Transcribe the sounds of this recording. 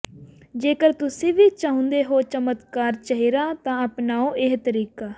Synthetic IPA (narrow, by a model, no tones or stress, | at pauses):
d͡ʒeːkəɾt̪ʊsĩːʋiːt͡ʃaːɦʊ̃nd̪eːɦoːt͡ʃəmət̪kaːɾt͡ʃəɦiːɾaːt̪ãːəpnaːoːʔɪɦt̪əɾiːkaː